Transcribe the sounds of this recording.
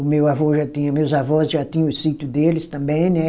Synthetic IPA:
ʊmewavoʒat̪ĩɲɐ̃mewzavɔsʒat̪ĩɲɐ̃ʊsit̪jʊd̪elɪst̪ɐ̃mbẽj̃nɛ

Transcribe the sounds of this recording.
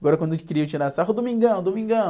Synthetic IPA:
aɡɔɾɐkwɐ̃d̪et͡ʃi̥kiɾiet͡ʃiɾasaɦʊd̪umĩŋɡɐ̃d̪omĩŋɡɐ̃n

